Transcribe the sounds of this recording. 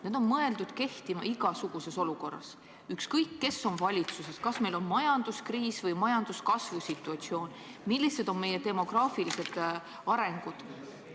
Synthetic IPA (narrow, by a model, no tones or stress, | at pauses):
ned̪̥o̞nmɤe̞ld̪ud̪̥ke̞ht̪imɑ̰ʔiɡ̥ɑsuɡ̥use̞so̞luko̞rːɑ̰s | ykskɤjkːe̞sːo̞nvɑlʲit̪suse̞skɑsme̞jlo̞nmɑjɑnd̪̥uskriːsvɤjmɑjɑnd̪̥uskɑsvusit̪ːˑuɑt̪sio̞ːn | milːised̪̥o̞nme̞jet̪e̞mo̞ɡ̥rɑːfilise̞d̪̥ | ɑɾe̞ŋɡ̥ud̪̥